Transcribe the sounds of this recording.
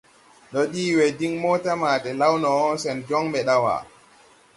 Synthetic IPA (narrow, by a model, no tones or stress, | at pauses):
ɗɔɗiːwɛdiŋmɔːtamaːtɛlawnɔːsɛnd͡ʒɔŋɓɛɗawa̰